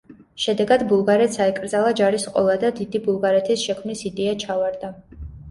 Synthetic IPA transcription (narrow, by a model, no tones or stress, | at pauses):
ʃɛd̪ɛɡad̪bulˠɡaɾɛt̪saɛkʼɾd̪zalˠad͡ʒaɾisqʼɔ̰lˠad̪ad̪id̪ibulˠɡaɾɛt̪ʰisʃɛkʰmnisid̪ɛat͡ʃʰavaɾd̪a